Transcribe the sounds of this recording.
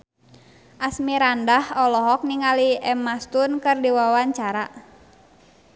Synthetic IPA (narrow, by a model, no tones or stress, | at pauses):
ʔasmiɾandahɔlɔɦɔk̚niŋaliɛmast̪unkɨrdiwawaɲt͡ʃaɾa